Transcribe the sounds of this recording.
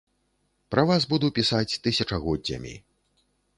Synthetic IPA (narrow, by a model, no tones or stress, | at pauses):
pɾɐvazbud̪upʲisat͡sʲt̪ɨsʲɐt͡ʂɐɣɔdʲɐ̰mʲḭ